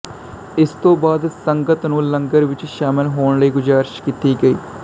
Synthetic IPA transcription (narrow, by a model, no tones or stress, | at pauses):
ɪst̪õːbaːd̪səŋɡət̪nũːləŋɡəɾʋɪt͡ʃʃaːmɪlɦoːɳləiːɡʊzaːɾɪʃkit̪iːɡəiː